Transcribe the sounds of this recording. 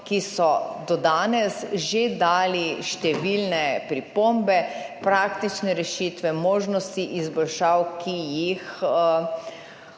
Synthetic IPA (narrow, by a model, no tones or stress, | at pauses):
kisɔd̪ɔd̪aːnɛsʒed̪aːliʃt̪ɛʋilnɛpɾipoːmbɛpɾaːkt̪it͡ʃnɛɾɛʃiːt̪ʋɛmoːʒnɔst̪iʔizbɔlʃaːwkʰijix